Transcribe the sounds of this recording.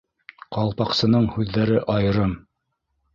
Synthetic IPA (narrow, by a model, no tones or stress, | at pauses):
qɑlˠpɑqsɤ̆nɤɴhʉðːæɾɘʔɑjɤ̆ɾɤm